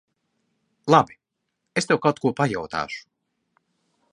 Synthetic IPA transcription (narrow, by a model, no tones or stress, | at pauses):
lˠabi | est̪ewkawt̪̚kuɔpajawt̪a̰ːʃu̥